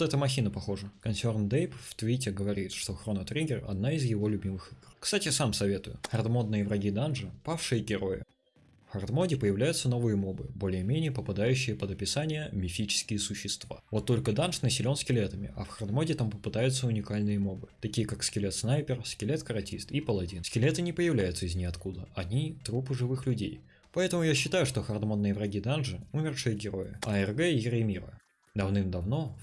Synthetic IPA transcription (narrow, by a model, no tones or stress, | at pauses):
t̪ɛt̪əmɐxʲinəpɐxo̞ʐəkɐnsʲo̞rnd̪ejpft̪vʲitʲɪɡəvɐɾʲit̪ʂt̪o̞xɾo̞nət̪ɾʲiɡʲɪrɐ̰d̪naɪzjɪvo̞lʲʊbʲimɨxɨɡrkst̪atʲɪsamsɐvʲe̞t̪ʊjʊ̰xɐrt̪mo̞d̪̚nɨjəvɾɐɡʲid̪anʐɨpafʂɨjəɡʲɪɾo̞jɪ̰ | fxɐrt̪modʲɪpəjɪvlʲæjʊt̪səno̞vɨjəmo̞bɨbo̞lʲɪjəmʲenʲɪjəpəpad̪ajʉɕːɪjəpəd̪ɐpʲɪsanʲɪjəmʲɪfʲit͡ɕɪ̥skʲɪjəsʊɕːɪst̪va̰vo̞t̪ːo̞lʲkəd̪anʂnəsʲɪlʲo̞nskʲɪlʲet̪əmʲɪ̰ʔɐ̰fxɐrd̪modʲɪt̪ampəpɨd̪ajʊt̪səʊnʲɪkalʲnɨjəmo̞bɨt̪ɐkʲijəkakskʲɪlʲet̪snajpʲɪrskʲɪlʲet̪kəɾɐtʲist̪ipəlˠɐdʲinskʲɪlʲet̪ɨnʲɪpəjɪvlʲæjʊt̪səɪzʲnʲixɐt̪kud̪əɐnʲit̪ɾupɨʐɨvɨxlʲʉdʲej | pɐɛt̪əmʊjaɕːɪt̪ajʊʂt̪o̞xɐrd̪mo̞nːɨjəvɾɐɡʲid̪anʐɨumʲɪrʂɨjəɡʲɪɾo̞jɪ̰ɐɛrɡɛɪɡɾəjmʲiɾə̰ | d̪ɐvnɨmd̪ɐvno̞